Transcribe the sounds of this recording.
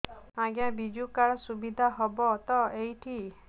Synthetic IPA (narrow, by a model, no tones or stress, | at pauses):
ãɡjabid͡ʒukaɽɔsubid̪ʱaɦɔbɔt̪ɔejʈʰi